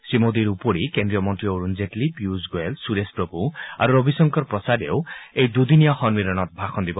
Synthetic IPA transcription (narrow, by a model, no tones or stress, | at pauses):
sɹimod̪iɾupoɹikendɹijɔmɔntɹioɹunzetlibjuzɡoelsuɾespɹɔbʱua̰ɾuɾobʱisɔŋkɔɾpɹɔsadeʊejd̪ud̪inijɔxɔnmiɾɔnɔt̪̚bʱaxʰɔnd̪ibɔ